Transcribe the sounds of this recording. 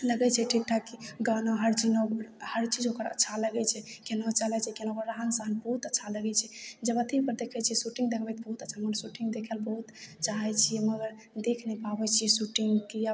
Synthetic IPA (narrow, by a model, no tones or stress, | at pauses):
ləɡɛt͡ʃʰɛʈʰik̚ʈʰakiɡanoɦəɾt͡ʃinohəɾt͡ʃid͡ʒokəɾə̰tːʰaləɡɛt͡ʃʰɛkenɔt͡ʃəlɛt͡ʃʰɛkenakəɾːaɦənsəɦənbəɦut̪ətːʃʰaləɡɛt͡ʃʰɛd͡ʒəbət̪ipəɾd̪ekʰɛt͡ʃʰiɛsuʈĩŋɡd̪ekʰbɛt̪̚bəɦut̪ətːʃʰaməɡəɾsuʈĩŋɡd̪ekʰɛlbəɦut̪t͡ʃaɦɛt͡ʃʰijɛməɡəɾ | d̪ekʰnɛpabɛt͡ʃʰijɛsuʈiŋɡkia